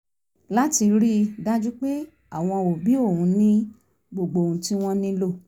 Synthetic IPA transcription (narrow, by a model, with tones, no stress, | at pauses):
la˦ti˧ɾi˦da˦d͡ʒu˦k͡pe˦ | a˦˨w̃ɔ̃˧o˨bi˨˦o˦˨ũ˨˧nĩ˦ | ɡ͡bo˨ɡ͡bo˨ũ˨tĩ˧w̃ɔ̃˧nĩ˧lo˦˨